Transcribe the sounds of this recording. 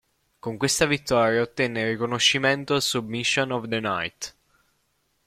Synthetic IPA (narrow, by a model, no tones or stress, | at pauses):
koŋkwest̪avit̪ːɔːɾjaot̪ːɛnːerikonoʃːiment̪osubmiʃːonɔvd̪əna̰jt̪